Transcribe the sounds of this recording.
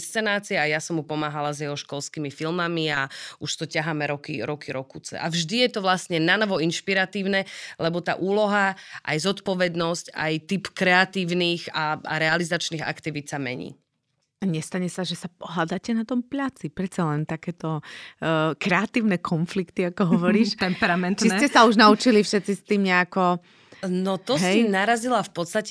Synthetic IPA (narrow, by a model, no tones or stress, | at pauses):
st͡sɛnaːt͡siɛajasɔmɦupɔmaːɦalazjɛɦɔʃkɔlskiːmifilmamiauʃt̪ɔcaɦaːmɛɾɔkḭɾɔkʰiɾɔkuːt͡sɛ̰ʔa̰vʒd̪ijɛt̪ɔʋlasɲɛnanɔʋɔinʃpiɾat̪iːʊnɛlɛbɔt̪a̰ːʔuːlɔɦaʔa̰jzɔt̪pɔʋɛd̪nɔsca̰jt̪ipkɾɛat̪iːʊniːxaa̰ɾɛalizat͡ʃniːɣa̰kt̪iʋit̪samɛ̰ɲḭː | aɲɛst̪aɲɛsaʒɛsap̚ɔɦlad̪aːcɛnat̪ɔmpʎat͡sipɾɛt̪t͡salɛnt̪akɛːt̪ɔ | kɾɛat̪iːʊnɛkʰɔnflikt̪iakɔɦɔʋɔɾiːʃt̪ɛmpɛɾamɛnt̪icɛsauʒnaut͡ʃilifʃɛt̪t͡sist̪iːmɲɛakɔ | nɔt̪ɔɦɛjinaɾazilafpɔt̪st̪ac